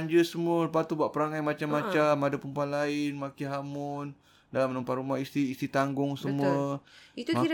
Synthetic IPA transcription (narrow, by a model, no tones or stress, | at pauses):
ɲd͡ʒəsəmuəpat̪ubaʔpəɾaŋajmat͡ʃamːat͡ʃamadapəmpuanlaɪnmakiɦamʊn | dalamənəmpat̪ɾumahist̪iːst̪it̪aŋɡʊŋsəmuəit̪uaida